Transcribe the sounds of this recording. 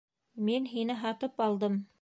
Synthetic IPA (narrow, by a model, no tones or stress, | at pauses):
minɦinɘɦɑt̪ɤpɑlˠd̪ɤm